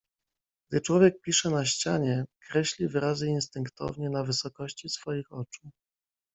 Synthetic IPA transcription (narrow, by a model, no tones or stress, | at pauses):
ɡ̥d̪ɘt͡ʂwɔvʲjɛk̚pʲiʂɛnaɕt͡ɕaɲɛkɾɛɕlʲivɘɾazɘinst̪ɘŋkt̪ɔ̰vɲɛnavɘsɔkɔɕt͡ɕisfɔjixɔt͡ʂu̥